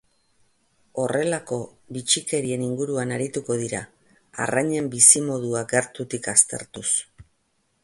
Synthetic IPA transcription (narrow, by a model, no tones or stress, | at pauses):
o̞re̞lako̞βit͡ʃike̞ɾie̞niŋɡuɾuanaɾit̪uko̞ðiɾa̰ | a̰raɲe̞mbisimo̞ð̞uakɡeɾt̪ut̪ikast̪e̞̰ɾt̪us